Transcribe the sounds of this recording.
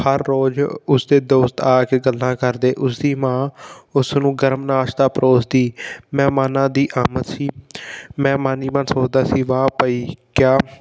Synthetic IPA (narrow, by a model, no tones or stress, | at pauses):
həɾːoːd͡ʒʊsd̪eːd̪oːst̪aːkeːɡəlːãːkəɾd̪eːʔʊsd̪iːmãːʊsnũːɡəɾmnaːʃd̪aːpɾoːsd̪iːmɛ̃ːmaːnãːd̪iːʔaːmət̪siːmɛ̃ːmãːniːmənsoːd͡ʒd̪aːsiːʋaːpəiːkjaː